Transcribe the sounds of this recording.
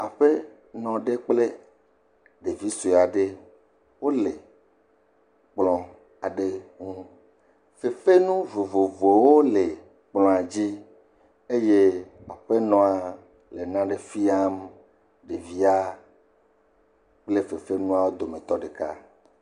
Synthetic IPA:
a˨ɸe˦ | nɔ̃˨ɖe˦k͡ple˦ | ɖe˨vi˦su˨a˨ɖe˦ | wo˦le˨ | k͡plɔ̃˨ | a˨ɖe˦ŋũ˦ | fe˨fe˦nũ˦vo˨vo˨vo˨wo˦le˨ | k͡plɔ̃˨a˨d͡ʑi˦ | e˦je˦a˨ɸe˦nɔ̃˦a˨ | le˨nã˦ɖe˨fi˦a˦m | ɖe˨vi˦a˦ | k͡ple˦fe˨fe˦nũ˦a˦wo˦d̪o˨mẽ˨t̪ɔ˦ɖe˨ka˦

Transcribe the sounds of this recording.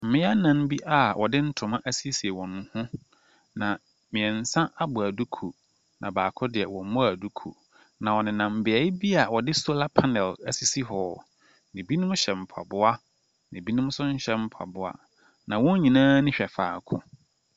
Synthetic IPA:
m̩˦mɪ̃˦a˦nã˨n˦bi˦ʔa˨wʔɔ˨dɪ˦n̩˦tʰʊ̃˨mã˦ʔæ˦si˦si˨e˨wɔ̃˨nːʊ̃˨hʊ̃˦ | nã˨ | mɪ̃˨ɛ˨n̩˨sã˦ʔa˦bʊ˨æ˨du˦kʰu˨ | nã˨baː˨kʰʊ˦dɪ˨ɛ˨wɔ̃˨m˦mʊ̃˦a˨du˦kʰṵ˨ | nã˨wɔ˨nɪ̃˨nã˨m̩˨bɪ˨ɛ˨˦ɪ˦bi˦a˨wɔ˨dɪ˦so˦la˦pʰa˦nɛ˨læ˦si˦si˦ɦɔː˨ | nɪ̃˨bi˦nʊ̃˦mʊ̃˦ɕɛ˨m̩˨pʰa̰˨bʊ˦a˦ | nɪ̃˨bi˦nʊ̃˦mʊ̃˦sʊ˦ɲ̩˦ɕɛ˦m̩˦˨pʰa̰˨bʊ˦a̰˦ | nã˨wɔ̃˦ɲ˦ɲĩ˨nãː˦nɪ̃˦ɕᶣɛ˨faː˨kʰʊ̰̃˨

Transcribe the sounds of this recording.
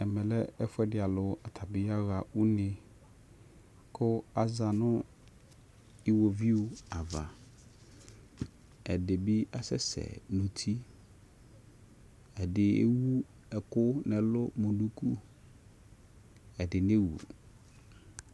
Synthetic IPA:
ɛ˨mɛ˨lɛ˦ɛ˦fʊ˦ɛ˦dɪ˨a˨lʊ˨˦a˨tʰa˨bɪ˦ja˦ɣa˨u˦nɪ̃˨ | kʰʊ˦a˦za˨nʊ̃˦ | ɪ˦wo˨vi˦o˦a˨va˨ | ɛ˨dɪ˨bɪ˦a˦sɛ̰˦sɛ̰˨nũ˨tʰi˦ | ɛ˨dɪ˨ḛ˦wu˦ | ɛ˨kʊ˦nɛ̃˨lʊ˦mõ˨nũ˦kʰu˦ | ɛ˨dɪ˨ne˦wṵ˨

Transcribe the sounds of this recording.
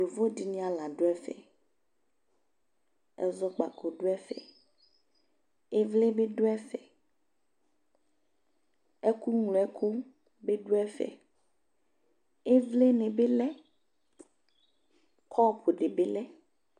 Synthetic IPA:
o˨vo˦di˨nĩ˦a˨la˨ɖo˦ɛ˦fɛ̰˨ | ɛ̰˦zɔ˦k͡pa̰˨ko˨ɖo˦ɛ˦fɛ̰˨ | e˦vle˦be˦ɖo˦ɛ˦fɛ̰˨ | ɛ˦ku˦ŋlo˨ɛ˦kʰu˦ | be˦ɖo˦ɛ˦fɛ̰˨ | e˦vle˦nẽ˨be˦lɛ˦ | kʰɔ˦˨pʰo˨ɖe˨be˦lɛ˦

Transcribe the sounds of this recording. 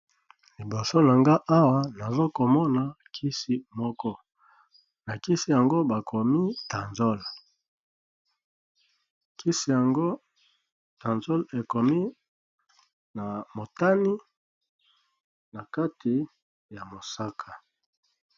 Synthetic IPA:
li˨bo˨so˦na˨ŋɡa˦ʔa˦wa˦na˨zo˦ko˨mɔ˦na˨kʰi˦si˦mɔ˦kɔ˦ | na˨ki˦si˦ja˨ŋɡo˦ba˨kʰo˨mi˦ta˨nzo˦l | ki˦si˨ja˨ŋɡo˦ | ta˨nzo˦le˨ko˨mi˦ | na˨mo˨ta˦ni˦ | na˨ka˦tʰi˨ | ja˨mo˨sa˦kʰa˨

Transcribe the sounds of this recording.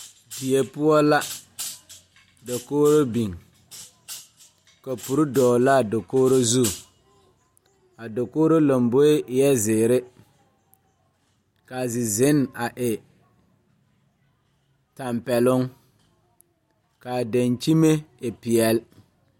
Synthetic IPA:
bi˨e˨pʊ˦ɔ˦la˦ | do˨koː˦ɾo˦bi˨ŋ | ka˨pu˨ɾʊ˦dɔː˨la˦˨do˨koː˦ɾo˦zu˦˨ | a˨do˨koː˦ɾo˦la˨mbo˦ɪ˦ʔɪ˨jɛ˦zɪː˨ɾɪ˦ | ka˨zɪ˨zɪ˨˦n˨a˨ʔɪ˨ | ta˨mpɛ˨lʊ˦ŋ | ka˨da˨nt͡ʃi˦me˦ɪ˨pɪ˨jɛ˨l

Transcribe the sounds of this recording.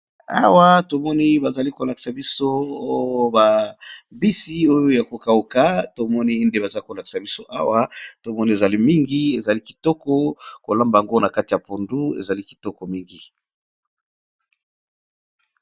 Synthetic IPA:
a̰˦wa˦to˨mɔ˦ni˦ba˨za˨li˦ko˨la˨ki̥˨sa˨bi˦so˦o˦jo˦ba˨bi˦si˦o˦jo˦ja˨ko˨ka˨o˨ka˦to˨mɔ˦ni˦nde˦ba˨za˦i˦ko˨la˨ki̥˨sa˨bi˦so˦ʔa˦wa˦to˨mɔ˦ni˦e˨za˨li˦mi˦ŋɡi˦e˨za˨li˦ki̥˨tɔ˦kɔ˦ko˨lã˦mba˨a˨ŋɡo˦na˨ka˦ti˨ja˨po˨ndu˦ḛ˨za˨li˦ki̥˨tɔ˦kɔ˨mi˦ŋɡi˨

